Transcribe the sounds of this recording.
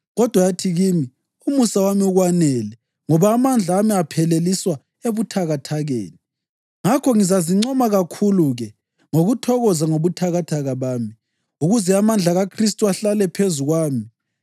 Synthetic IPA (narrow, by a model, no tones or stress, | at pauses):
ɣɔd̥ʱwajatʰiɣimi | umusawamiuɣwanɛːlɛ | ŋɔβaːmand͡ɮʱaːmiapʰɛleliswa | eβutʰaɣatʰaɣḛːni | ŋakʰɔŋizaziŋ͡ǀɔmaɣakʰuluɣɛ | ŋoɣutʰɔɣɔzaŋoβutʰaɣatʰaɣaβaːmi | uɣuzɛamand͡ɮʱaɣakʰristʼuaɬalɛpʰezuɣwaːmi